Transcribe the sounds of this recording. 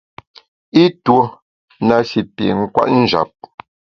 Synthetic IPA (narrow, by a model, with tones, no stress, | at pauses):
i˦two˨˦ | na˨si˨pjḛ˨ŋ̩˦kwa̰˦ʔn̩˦d͡ʒa̰˨p̚